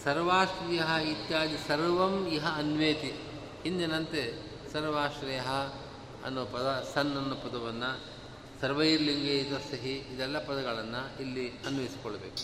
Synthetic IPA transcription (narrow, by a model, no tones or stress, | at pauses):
sɐɾʋaːʃɾijɐɦɐit̪jaːd͡ʒ̪isɐɾʋɐmjɐɦɐɐnʋeːt̪i | hind̪enɐnt̪e | sɐɾʋaːʃɾɐjɐɦɐ | ɐ̰nːuːpɐd̪ɐsɐnːɐnːupɐd̪ɐʋɐnːɐ | sɐɾʋɐjiɾliŋɡeːd͡ʒ̪ɐsɐɦiid̪ɛlːɐpɐd̪ɐɡɐɭɐnːɐilːiɐnʋɐisi̥kɔɭːɐbeːku̥